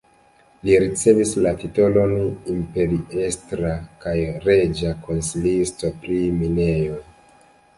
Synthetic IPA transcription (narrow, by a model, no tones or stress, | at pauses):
liɾit͡se̞vislatito̞lo̞nimpe̞ɾiestɾakajɾe̞d͡ʒako̞nsilisto̞pɾimine̞jo̞j